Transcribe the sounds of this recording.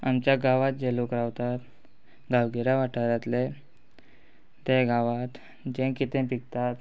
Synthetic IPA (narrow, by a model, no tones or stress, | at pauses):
amt͡ɕjaɡaʋat̪̚d͡ʑelukəɾaʋt̪at̪ | ɡawɡiɾaʋaʈʰəɾat̪le | t̪eɡaʋat̪ | d͡ʑẽkit̪ẽpikt̪at̪